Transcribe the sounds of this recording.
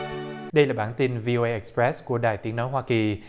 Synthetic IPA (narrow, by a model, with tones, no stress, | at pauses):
ɗə˧jlaː˨˩ɓaː˧˩nt̪i˧nvi˧ʔo˧ʔe˧ʔɛ˨˩kspɹɛ˦˥sku˧˩əɗa̰ː˨˩jt̪i˨˦ənɔ˨˦jɦwaː˧ki˨˩